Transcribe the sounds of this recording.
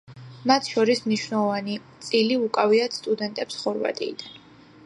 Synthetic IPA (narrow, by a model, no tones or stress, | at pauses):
mat̪ʰʃɔɾismniʃwnɛlˠɔvanit̪sʼiliukʼaviat̪st̪ʼud̪ɛnt̪ʼɛpsχɔɾva̰t̪ʼḭːd̪an